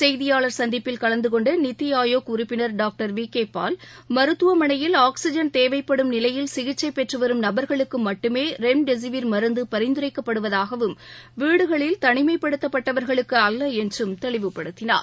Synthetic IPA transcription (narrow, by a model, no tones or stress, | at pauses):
sɛjðɪjaːɭɐɾsɐnd̪ɪpːɪlkɐɭɐnd̪ɯkɔɳɖɐnɪt̪ːɪjaːjoːkʊɾʊpːɪnɐɾɖaːk̚ʈɐɾʋiːkeːpːaːl | mɐɾɯt̪ːɯʋɐmɐɳɐjɪlaːksɪd͡ʒɐnt̪eːʋɐɪpːɐɽɯmnɪlɐjɪlsɪɣɪt͡ʃːɐɪpːɛʈrɯʋɐɾɯmnɐbɐɾɣɐɭɯkːɯmɐʈːɯmeːɾɛmɖɛs̬ɪʋɪɾmɐɾɯnd̪ɯpɐɾɐɪnd̪ɯɾɐɪkːɐpːɐɽɯʋɐðaːɣɐʋɯmʋiːɽɯɣɐɭɪlt̪ɐɳɪmɐɪpːɐɽɯt̪ːɐpːɐʈːɐʋɐɾɣɐɭɯkːɯɐlːɐɛndrɯmt̪ɛɭɪʋɯpːɐɽɯt̪ːɪna̰ːɾ